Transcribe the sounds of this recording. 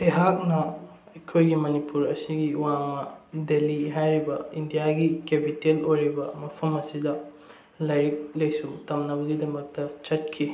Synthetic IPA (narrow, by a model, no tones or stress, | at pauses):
eɦak̚nɐ | ɐjkʰojɡimɐnipuɾɐsiɡiwaŋmɐdeliɦajɾibɐindijaɡikepitelojɾibɐmɐpʰɐmɐsidɐ | lɐjɾik̚lɐjsuŋtɐmnɐβɐɡidɐmɐk̚tɐt͡ʃɐt̚kʰi